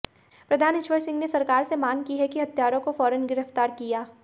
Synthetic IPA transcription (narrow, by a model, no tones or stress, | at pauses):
pɾɐd̪ʱaːnɪʃʋəɾsɪ̃ŋɡnesɐɾkaːɾsemaːŋkiɦɛkiɦɐt̪jaːɾõkofɔːɾənɡɪɾəft̪aːɾkijaː